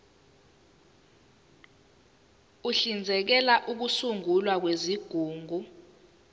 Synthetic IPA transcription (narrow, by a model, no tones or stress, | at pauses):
uɬind͡zʱɛk̬ɛlaʔuk̬usuŋulwak̬weziɡ̥ʱuːŋʱu